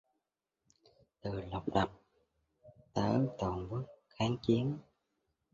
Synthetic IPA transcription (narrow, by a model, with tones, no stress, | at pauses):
t̪ɨ˨˩lə˨˩wk͡p̚ɗa˨˩p̚ | t̪əː˧˦t̪o˨˩nvə˨˦əxaː˨˦ŋt͡ɕi˨˦ən